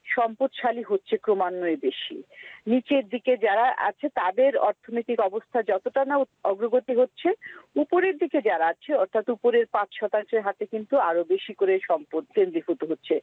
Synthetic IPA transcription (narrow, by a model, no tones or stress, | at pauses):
ʃɔmpot̪ʃaliɦotːɕʰekɾomanːoebeʃḭnit͡ɕeɾd̪iked͡ʑaɾaʔa̰t͡ɕʰet̪ad̪eɾɔ̰ɾt̪ʰonit̪ikɔbost̪ʰad͡ʑɔt̪oʈanaɔɡɾoɡot̪iɦotːɕʰeupoɾeɾd̪iked͡ʑaɾaat͡ɕʰeɔɾt̪ʰat̪upoɾeɾpãt͡ɕʃɔt̪aŋʃeɾɦat̪ekint̪uaɾobeʃikoɾeʃɔmpot̪kend̪ɾifot̪uɦotːɕʰe